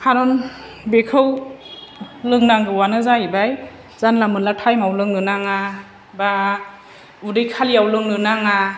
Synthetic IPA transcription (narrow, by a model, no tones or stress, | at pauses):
kʰaɾɔn | bekʰɯw | lɯŋnaŋɡɯwanɯzaibaj | zanlamɯnlatʰajmawlɯŋnɯnaŋa | ba | udɯjkʰalijawlɯŋnɯnaŋa